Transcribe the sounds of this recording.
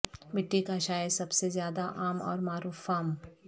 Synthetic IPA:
mɪʈːikaʃaːjesɐbsezjaːd̪aʔaːmɔ̰ːɾmaːɾuːfaːm

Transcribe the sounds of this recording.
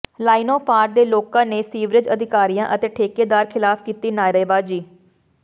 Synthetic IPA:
laːinoːpaːɾʈ̚d̪eːloːkãːneːsiːʋɾɪd͡ʒəd̪ʱɪkaːɾijãːʔət̪eːʈʰeːkeːd̪aːɾkʰɪlaːpʰkiːt̪iːnaːjɾeeːbaːd͡ʒiː

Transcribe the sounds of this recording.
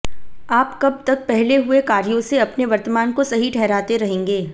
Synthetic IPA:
aːpkɐb̚t̪ɐk̚pɛɦleɦʊekaːɾjõseɐpneʋɐɾt̪əmaːnkosɐɦiʈʰɛɦɾaːt̪eɾɐɦẽːŋɡeː

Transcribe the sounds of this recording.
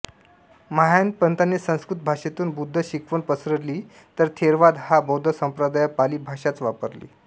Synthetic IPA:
məɦajənd̪̚pənt̪anesə̃w̃skɾut̪̚bʱaʂet̪uːnbud̪ʱːəɕikʋəɳpəsɾəɽliː | t̪əɾt̪ʰeɾʋad̪habəwd̪ʱəsəmpɾəd̪ajapaliːbʱaʂat͡sʋapəɾlḭː

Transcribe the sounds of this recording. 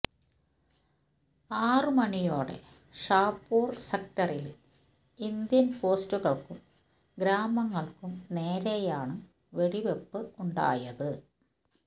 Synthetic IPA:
aːrɨmɐnijoːɽe̞̰ | ʂaːpːuːrsekʈɐril | ind̪jɐnpo̞ːstuɣɐɭkum | ɡɾaːmɐŋːɐɭkumne̞ːɾejaːɳɨ | ʋe̞ɽiʋepːɨuɳɖa̰ːjɐðɨ

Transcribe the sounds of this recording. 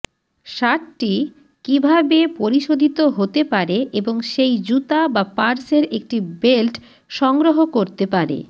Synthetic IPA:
ʃaʈʈi | kibʱabepoɾiʃod̪ʱit̪oɦot̪epaɾeʔeboŋʃejd͡ʑut̪abapaɾseɾek̚ʈibelʈ | ʃɔŋɡɾoɦokoɾt̪epaɾḛ

